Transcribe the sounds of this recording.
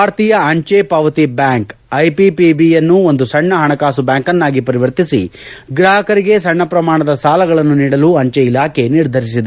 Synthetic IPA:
aːɾt̪iːjɐɐɲt͡ʃepɐʋɐt̪ibjaːŋkɐjpipibijɐnːuond̪usɐɳːɐɦɐɳɐkaːsubjaːŋkɐnːaːɡipɐɾiʋɐɾt̪isḭɡɾaːɦɐkɐɾiɡe̞sɐɳːɐpɾɐmaːɳɐd̪ɐsaːlɐɡɐɭɐnːuniːɽɐluɐɲt͡ʃeilaːkʰe̞niɾd̪ʱɐɾis̬id̪e

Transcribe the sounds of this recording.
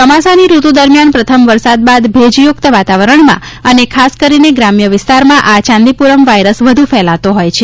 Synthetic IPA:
t̪əmasaniɾut̪ud̪əɾmjanpɾət̪ʰəmʋəɾsad̪̚bad̪bʱed͡ʒjʊk̚t̪əʋat̪aʋəɾəɳmã̰ | ənekʰaskəɾineɡɾamjəʋɪst̪aɾmãʔat͡ʃãnd̪ipuɾəmʋajɾəsʋəd̪ʱufɛlat̪oɦojt͡ʃʰe

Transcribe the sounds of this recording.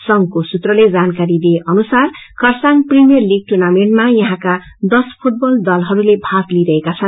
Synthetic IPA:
sʌŋkosut̪rʌled͡zankaɾid̪eeʔʌnusarkʌrsaŋprimijʌrliɡ̚ʈurnameɳʈmajʌɦãka | d̪ʌspʰuʈ̚bʌld̪ʌlɦʌɾulebʱaɡliɾʌɦekat͡sʰʌn

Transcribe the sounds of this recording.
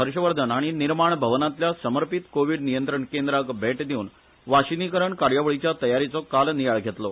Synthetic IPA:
ɦəɾɕəʋəɾd̪ʱənaɽ̃iniɾmaɳbʱəʋnat̪ljasəməɾpit̪koʋiɽnijənt̪ɾəɳkend̪ɾakbʱeʈd̪iuːn | ʋaɕinikəɾəɳkaɾjaʋəɭit͡ɕjat̪əjaɾit͡sɔkalnijaɭɡʱet̪lɔ

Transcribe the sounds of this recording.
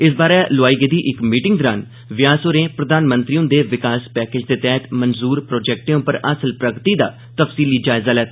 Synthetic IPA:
ɪs̬baːɾɛːlʊaːiːɡeːd̪iːʔɪkmiːʈɪŋɡd̪ɔɾaːn | ʋɪjaːsoːɾẽːpɾəd̪aːnmə̃nt̪ɾiːʊ̃nd̪eːʋɪkaːspɛːkeːd͡ʒd̪eːt̪ɛːt̪mənzuːɾpɾoːd͡ʒɛːk̚ʈẽːõpəɾəsəlpɾəɡt̪iːd̪a̰ː | t̪əfsiːliːd͡ʒaːɪzaːlɛːt̪ː

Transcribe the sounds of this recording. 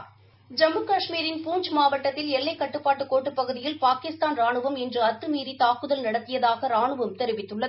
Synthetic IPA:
d͡ʒɐmːɯkɐʂmiːɾɪnpuːɲd͡ʒmaːʋɐʈːɐt̪ːɪlɛɭːɐɪkːɐʈːɯpːaːʈːɯkːoːʈːɯpːɐɣɯðɪjɪlpaːkɪst̪aːnɾaːɳɯʋɐmɛndrɯɐt̪ːɯmiːɾit̪aːkɯðɐlnɐɽɐt̪ːɪjɐðaːɣɐɾaːɳɯʋɐmt̪ɛɾɪʋɪt̪ːɯɭːɐðɯ

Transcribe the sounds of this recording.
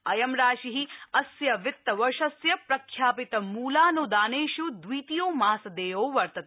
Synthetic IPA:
ɐjɐmɾaːʃiɦiɐsjɐʋit̪ːɐʋɐʃɐsjɐpɾɐkʰjaːpit̪ɐmuːlaːnod̪aːneːʃud̪ʋiːt̪ijoːmaːsɐd̪eːʋoːʋɐɾt̪ɐt̪

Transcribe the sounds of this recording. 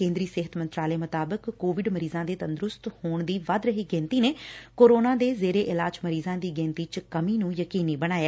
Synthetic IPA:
kẽːnd̪ɾiːseɦət̪mənt̪ɾaːleːmʊt̪aːbəkːoːʋɪɖməɾiːzãːd̪eːt̪ənd̪ɾʊst̪hoːɳd̪iːʋəd̪ɾəɦiːɡɛ̃ːnt̪iːneːkoːɾoːnãːd̪eːzeːɾeːʔɪlaːd͡ʒməɾiːzãːd̪iːɡẽːnt̪iːt͡ʃkəmiːnũːjəkiːniːbəɽ̃aːjeː

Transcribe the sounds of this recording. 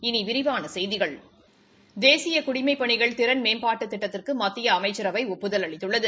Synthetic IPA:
ɪniʋɪɾɪʋaːnɐsɛjðɪɣɐɭ | d̪eːsɪjɐkʊɽɪmɐɪpːɐɳɪɣɐɭt̪ɪɾɐnmeːmpaːʈːɯt̪ːɪʈːɐt̪ːɪrkɯmɐt̪ːɪjɐːmɐɪt͡ʃːɪɾɐʋɐɪɔpːɯðɐlɐɭɪt̪ːɯɭːɐðɯ

